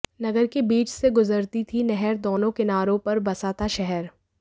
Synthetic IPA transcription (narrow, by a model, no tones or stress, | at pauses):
nɐɡəɾkebiːt͡ʃseɡʊzəɾt̪it̪ʰinɛɦɛɾd̪oːnõkɪnaːɾõpɐɾbɐsaːt̪aʃɛɦɛɾ